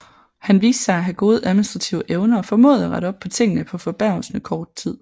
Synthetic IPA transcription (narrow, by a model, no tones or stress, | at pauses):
hænʋḭːsd̥sɑ̈ɪæɦæɡ̥o̝ːð̞ˠəʔæðˠminisd̥ʁɑ̈t͡sʰiʊəʔeʊnɐɒ̽fɒ̽mɔ̰ːð̞̩ˠæʁɑɾəɒ̽b̥̚pʰɒ̽t͡sʰe̝ŋ̰ənəpʰɒ̽fɒ̽b̥æɐ̰l̩snəkʰɒːd̥̚t͡sʰið̞̰ˠ